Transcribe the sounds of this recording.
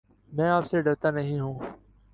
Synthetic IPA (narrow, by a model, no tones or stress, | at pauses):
mɛ̃ːaːpseːɖəɾt̪aːnəɦĩːɦũː